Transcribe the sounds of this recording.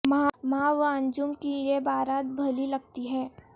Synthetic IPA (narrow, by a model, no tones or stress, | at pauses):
mãːʋãɲd͡ʒʊmkiebaːɾaːt̪̚bʱɐlilɐɡ̚t̪iɦɛ̃ː